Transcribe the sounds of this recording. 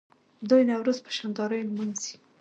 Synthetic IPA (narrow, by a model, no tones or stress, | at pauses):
d̪ujnawɾuzpə̥ʃand̪ɑɾəjlmanzi̥